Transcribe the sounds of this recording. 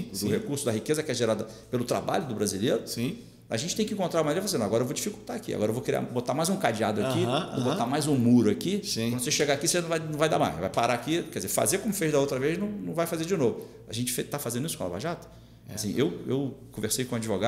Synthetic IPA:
ʊd̪ʊhekuɾsʊd̪ɐɦikezɐkɪɛʒeɾad̪ɐpelʊt̪ɾa̰ba̰ʎʊd̪ʊbɾazileɾʊsĩ | a̰ʒẽnt͡ʃɪ̥t̪ẽj̃kɪĩkõnt̪ɾawmɐ̃anɾiɐfasẽd̪aɡɔɾɐewvod͡ʒifikut̪aːkia̰ɡɔɾewvowkɾia̰bot̪amajzũkad͡ʒiad̪ʊɐkiobot̪amajzʊmuɾʊakisĩɐ̃d̪ʊseʃeɡakisenɐ̃w̃vajnɐ̃w̃vajd̪a̰ma̰jʃva̰jpaɾaakikɛd͡ʒɪzefa̰zeɾkõmʊfejʒd̪ɐowt̪ɾɐveznɐ̃w̃nɐ̃w̃vajfazed͡ʒɪnovʊ | aʒẽnt͡ʃɪ̥fet̪afazẽnd̪ʊisʊ̥kõla̰va̰ʒat̪ɐ̥ | asĩʔewewkõveɾsejkõad͡ʒivoɡa

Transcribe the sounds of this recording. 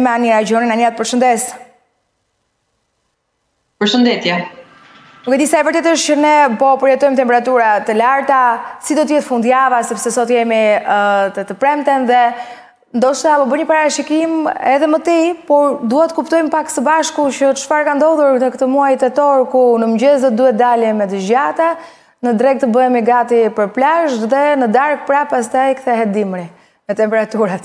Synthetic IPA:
mɛaniɾad͡ʒɔninaniat̪əpəɾʃənd̪ɛs | pəɾʃənd̪ɛt̪jɛ | nukɛd̪isaɛvəɾt̪ɛt̪əʃt͡ɕənɛpɔpəɾjɛt̪ɔjmt̪ɛmpɛɾat̪uɾat̪əlaɾt̪asid̪ɔt̪əjɛt̪əfund̪javasɛpsɛsɔt̪jɛmit̪ət̪əpɾɛmt̪ɛnðɛ | nd̪ɔʃt̪apɔbəɲəpaɾaɾaʃikimɛðɛmət̪ipɔɾd̪uɦɛt̪ːə̥kupt̪ɔjmpaksəbaʃkucət̪ʃfaɾkand̪ɔðuɾnəkət̪əmuajit̪ɛt̪ɔɾkunəmd͡ʑɛzd̪ɔt̪̚d̪uhɛt̪̚d̪alɛmɛd̪əʒɟat̪a | nəd̪ɾɛɡ̚t̪əbəɛmiɡat̪ipəɾplaʃðɛnəd̪aɾk̚pɾapas̬t̪ajkθɛɦɛd̪imɾi | mɛt̪ɛmpɛɾat̪uɾat̪

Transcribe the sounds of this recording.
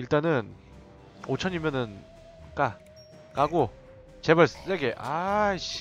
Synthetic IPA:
iɭt͈anɯn | ot͡ɕʰʌɲimjʌnɯn | k͈a | k͈aɡo | t͡ɕebaɭss͈eɡeʔaɕ

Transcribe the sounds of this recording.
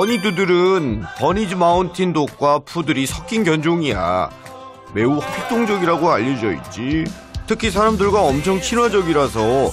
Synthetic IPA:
ʌɲidudɯɾɯntʌɲid͡ʑimauntʰindok̚k͈wapʰudɯɾisʰʌk͈inɡjʌnd͡ʑoŋija̰ | me̞uɸʰek̚t͈oŋd͡ʑʌɡiɾaɡoaʎːʌd͡ʑʌḭt̚t͡ɕ͈i | tʰɯkʰis̬ʰaɾamdɯɭɡwaʌmt͡ɕʰʌŋt͡ɕʰinwad͡ʑʌɡiɾasʰʌ

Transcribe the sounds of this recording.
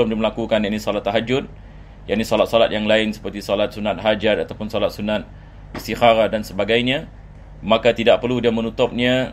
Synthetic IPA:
ʊmdiaməlakukanjaʔnisɔlat̪ːaɦad͡ʒʊt̪̚ | jaʔnisɔlat̪̚sɔlat̪̚jaŋlaɪnsə̥pərt̪isɔlat̪̚sunat̪̚ɦad͡ʒarat̪awpʊnsɔlat̪̚sunat̪̚ | ist̪ixaɾadansəbaɡajɲã | makat̪idaʔ̚pərludiamənut̪ʊp̚ɲa

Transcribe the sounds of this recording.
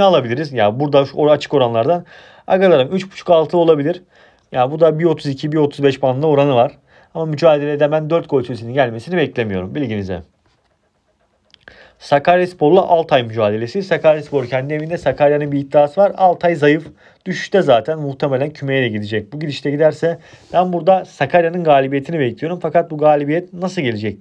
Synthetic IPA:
alˠabilʲiɾizjabuɾd̪aʃoat͡ʃʰɯ̥ko̞ɾanlˠaɾd̪an | a̰ɡalˠaɾɯmyt͡ʃbu̥t͡ʃʰu̥kalˠt̪ʰɯlˠo̞lˠabilʲiɾ̥ | jabud̪abio̞t̪ʰuzicʰibio̞t̪ʰuzbɛʃbʰanˠao̞ɾanɯvaɾ̥ | amamyd͡ʒaːd̪elʲed̪ɛbænd̪øɾt̪̚kʰolʲˠisʰesininɟælʲme̞sinibɛclʲe̞mijo̞ɾumbilʲɟinizɛ̰ | sakaɾjaspʰo̞ɾlˠa̰ʔalˠt̪ʰajmyd͡ʒaːd̪e̞lʲe̞sisakʰaɾjaspo̞ɾcʰɛnd̪ie̞vind̪ɛsakʰaɾjanɯnbiːt̪ːiaːsɯvaɾalˠt̪ʰajzajɯf | d̪̥yʃy̥ʃt̪ɛzaːt̪ʰænmuht̪ʰemelʲæncʰyme̞jelʲɛɟid̪id͡ʒɛc̚buɟid̪iʃt̪ʰɛɟid̪æɾsɛ | b̥ænbuɾd̪asakʰaɾjanɯnɡaːlʲibije̞t̪ʰinibɛclʲijo̞ɾumfakat̪̚buɡaːlʲibijɛt̪̚nasɯlˠɟe̞lid͡ʒɛc̚

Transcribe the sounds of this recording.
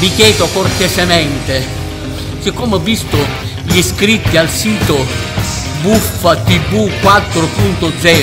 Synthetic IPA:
mikjɛːt̪okort̪ɛsemɛnt̪e | sɪkːɔmɛbist̪ʊ | ʎiskɾit̪ːialsiːt̪ʊ | bufːat̪ibukːwat̪ːɾʊpunt̪ʊd̪zɛː

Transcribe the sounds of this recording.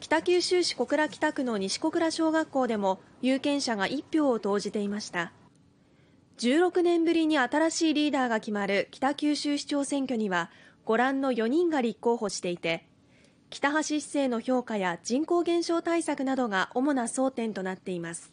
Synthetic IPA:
kʲi̥t̪akʲɨːɕɨːɕi̥ko̞kɯ̟ɾakʲi̥t̪akɯ̟no̞ɲ̟iɕi̥ko̞kɯ̟ɾaɕo̞ːɡakːo̞ːd̪e̞mo̞ | jɯːkẽ̞ɰ̃ɕaɡaʔipʲːjo̞ːt̪o̞ːʑit̪e̞imaɕi̥t̪a | d͡ʑɨːɾo̞kɯ̟nẽ̞mbɯ̟ɾʲiɲ̟iat̪aɾaɕiːɾʲiːd̪aːɡakʲimaɾɯ̟kʲi̥t̪akʲɨːɕɨːɕi̥t͡ɕo̞ːsẽ̞ŋkʲoɲ̟iβa | ɡ̥o̞ɾãnːo̞jo̞ɲ̟ĩŋɡaɾʲikːo̞ːho̞ɕi̥t̪e̞it̪e̞ | kʲi̥t̪aɦaɕi̥se̞ːno̞ço̞ːkajad͡ʑĩŋko̞ːɡẽ̞ɰ̃ɕo̞ːt̪aisakɯ̟nad̪o̞ɡaʔo̞mo̞naso̞ːt̪ẽ̞nt̪onat̪ːe̞imasɨ̥

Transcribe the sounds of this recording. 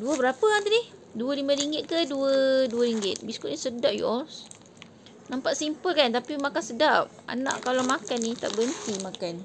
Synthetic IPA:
duəbəɾapəant̪ədih | duəlimãɾiŋɡɪt̪̚kəduəduəɾiŋɡɪt̪̚biskut̪̚nisədaʔ̚jṵʔɔs | nampaʔsimpəlkant̪apimakansədap̚a̰nã̰ʔkalamakanːit̪a̰ʔbənt̪imakan

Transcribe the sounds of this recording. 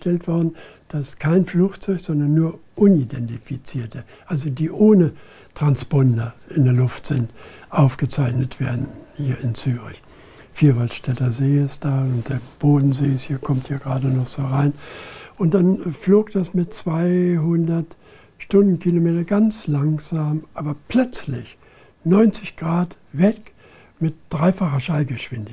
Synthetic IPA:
tɛltv̥ɔɐdn̩ | d̥askʰaɪnfluːxt͡sɔʏçz̥ɔndɐnːuːɐʔʊnidɛntifit͡siːɐtə | ʔalzodiːʔoːnə | tʁ̥ansb̥ɔndɐʔɪndeːɐlʊftz̥ɪntʔaʊfɡ̥ət͡saɪçnətv̥ḛːɐdn̩hiːɐɪnt͡syːʁɪ̰ç | fiːɐvaltʃtʰɛtɐzeːsd̥aːʊntd̥eːɐb̥oːdn̩zeːshiːɐkʰɔmthiːɐɡʁaːdənɔχz̥oːʁaɪnʔʊnt̚d̥anfloːɡd̥asmɪtt͡sv̥aɪɦʊndɐt | ʃtʊndn̩kʰilomeːtɐɡant͡slaŋz̥aːmʔaːbɐpl̥œt͡slɪç | nɔʏnt͡sɪçɡ̥ʁaːt | vɛk | mɪt̚d̥ʁaɪfaχɐʃaɪlɡəʃv̥ɪndɪ

